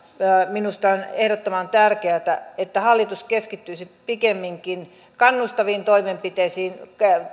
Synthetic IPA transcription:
minust̪ɑonehdot̪ːomɑnt̪ærkeæt̪æet̪ːæhɑlːit̪uskeskit̪ːyisipikemːiŋkin | kɑnːust̪ɑʋiːnt̪oimempit̪eisiːnkæ

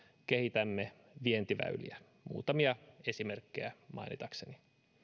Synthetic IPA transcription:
kehit̪æmːe | ʋient̪iʋæ̰ylḭæ | mṵːt̪ɑmiɑe̞simerkːejæmʔɑ̰inḭt̪ɑkseni

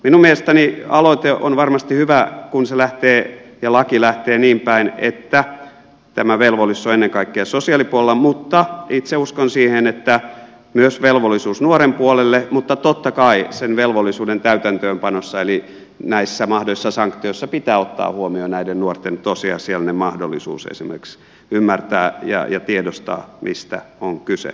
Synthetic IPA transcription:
minummielest̪ɑniɑloit̪eʔo̰nʋɑrmɑst̪ihyʋækunselæht̪eːjɑlɑkilæht̪eːniːmpæinḛt̪ːæ | t̪æmæʋelʋolisːoenːeŋkɑikːeɑsosiɑlipuolelːɑmut̪ːɑit̪seuskonsiːhenet̪ːæ | myøsʋelʋolːisuːsnuoɾempuolelːemut̪ːɑt̪ot̪ːɑkɑisenʋelʋolːˑisuːdent̪æyt̪ænt̪øːmpɑnosːɑeli | næisːæmɑhdoisːɑsɑŋkt̪ioisːɑpit̪æːot̪ːɑ̰ːhuomionæidennuort̪ːent̪osiɑ̰sielnemɑhdolːisṵːsḛsimḛrks | ymːært̪æ̰ːjɑ̰jɑt̪iedost̪ɑ̰ːmḭst̪æ̰oŋkysḛ

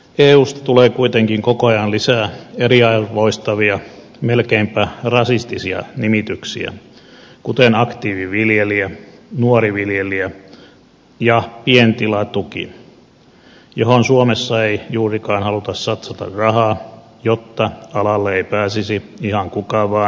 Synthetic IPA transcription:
eːuːst̪ɑ̥t̪uleːkuit̪eŋkiŋkokoɑjɑnlisæːeriɑʋoist̪ɑʋiɑ | melkeimpærɑsist̪isiɑ̰nimit̪yksḭæ̰kut̪enɑkt̪iːʋiʋiljeliænuoriʋiljeliæ | jɑpient̪ilɑt̪ukḭ | johonsuomesːɑeijuːrikɑːnhɑlut̪ɑssɑt̪sɑt̪ɑ̰rrɑhɑː | jot̪ːɑɑlɑlːeeipæːsisiihɑŋkukɑːʋʋɑː

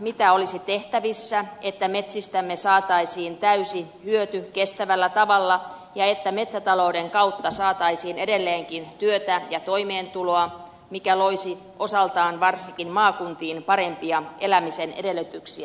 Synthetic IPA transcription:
mit̪æolisit̪eht̪æʋisːæet̪ːæme̞t̪sist̪æmːesɑːt̪ɑisiːnt̪æysihyøt̪ykest̪æʋælːæt̪ɑʋɑlːɑ | jɑet̪ːæme̞t̪sæt̪ɑlo̞udeŋkɑut̪ːɑsɑːt̪ɑisiːnedelːeːŋkint̪yøt̪æjɑt̪oimeːnt̪uloɑ | mikæloisi | ʔo̞sɑlt̪ɑːnʋɑrsikinmɑːkunt̪iːnpɑɾempiɑʔelæmisenedelːyt̪yksiæ

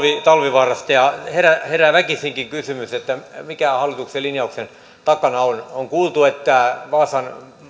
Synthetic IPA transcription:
ʋit̪ɑlʋiʋɑːrɑst̪ɑjɑheræheræʋækisiŋkiŋkysymyset̪ːæmikæhɑlːˑit̪ukselinjɑuksen | t̪ɑkɑnɑonoŋkuːlt̪uet̪ːæˑʋɑːsɑn

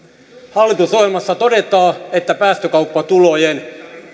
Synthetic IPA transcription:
hɑlːit̪usoelmɑsːɑt̪o̞det̪ɑːet̪ːæpæːst̪økɑupːɑt̪ulojen

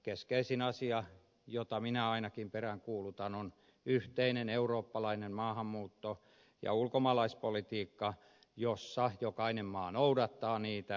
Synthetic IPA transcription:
keskeisinɑsiɑ | jot̪ɑminæɑinɑkimperæŋkuːlut̪ɑnon | yht̪eineneuroːpːɑlɑinemmɑːhɑmːuːt̪ːo | jɑ̰ulkomɑːlɑispolit̪iːkːɑ | josːɑjokɑinemmɑːnoudɑt̪ːɑːniːt̪æ

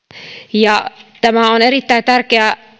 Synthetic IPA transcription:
jɑt̪æmæoneɾit̪ːæit̪ærkeæ

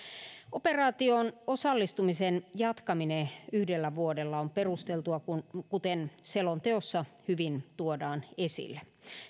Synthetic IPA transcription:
operɑːt̪ionosɑlːist̪umisenjɑt̪kɑmineyhdelːæʋuodelːɑomperust̪elt̪uɑkunkut̪enselont̪eosːɑhyʋint̪uodɑːnesḭlːe

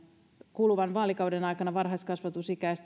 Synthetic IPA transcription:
kuluʋɑnʋɑːlikɑwdenɑjkɑnɑʋɑrɦɑist̪kɑsʋɑt̪usikæist̪

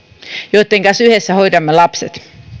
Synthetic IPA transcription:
jot̪ːeŋkɑsyhesːæhoidɑmːelɑpset̪

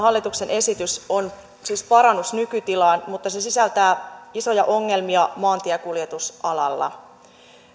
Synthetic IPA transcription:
hɑlːit̪uksene̞sit̪yso̞n | siːspɑɾɑnːusnykyt̪ilɑːnmut̪ːɑse̞sisælt̪æːiso̞jɑʔoŋːe̞lmiɑmɑːnt̪iækuljet̪usʔɑlɑ̰lːɑ̰

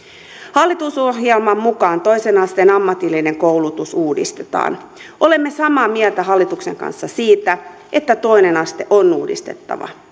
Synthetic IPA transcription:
hɑlːit̪usohjelmɑmmukɑːnt̪o̞jsenɑst̪e̞ːnɑmːɑt̪ilːine̞ŋkoulut̪usuːdḭst̪e̥t̪ɑ̰ːn | ʔo̞le̞mːe̞sɑmɑːmiɛlt̪æɦɑlːit̪ukse̞ŋkɑ̰nsːɑsiːt̪æ | ʔe̞t̪ːæt̪o̞ine̞nɑst̪e̞ʔonːuːdḭst̪e̞̰t̪ːɑ̰ʋɑ̰

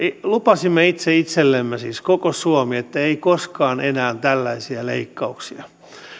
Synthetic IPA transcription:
ilupɑsimːeit̪seit̪selːemːesiːskokosuomiet̪ːæeikoskɑːnʔenæːnt̪ælːæisiæleikːɑuksiɑ

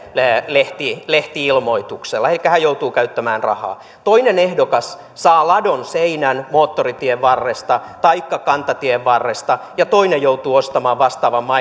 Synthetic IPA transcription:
leht̪ileht̪iilmoit̪ukselːɑelikːæhæjout̪uːkæyt̪ːæmæːnrɑ̰hɑ̰ː | t̪oinenehdokɑs | sɑːlɑdonseinænmoːt̪ːorit̪ieʋʋɑrːest̪ɑt̪ɑikːɑkɑnt̪ɑt̪ieʋʋɑrːest̪ɑjɑt̪oinejjout̪uːost̪ɑmɑːʋʋɑst̪ɑːʋɑmːɑ

